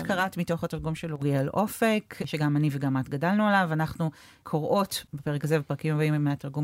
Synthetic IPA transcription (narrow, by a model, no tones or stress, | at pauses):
tkaʁatmito̞χatiʁɡumʃeluʁijelʔo̞fekʃeɡamaniveɡamatɡadalnualavanaχnu | kʰoʁʔo̞tbepeʁekazevepʁɐkimabaimmːeatiʁɡum